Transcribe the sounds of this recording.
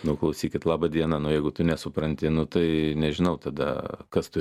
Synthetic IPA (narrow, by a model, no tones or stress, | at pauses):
nʊklˠɐʊsʲiːkʲɪt̪lˠɑːbɐd̪ʲiɛnɐnʊjɛɪɡʊt̪ʊnʲɛsʊpɾɐnʲt̪ʲɪnʊt̪ɐɪnʲɛʒʲɪnɐʊt̪ɐd̪ɐ̰kɐst̪ʊ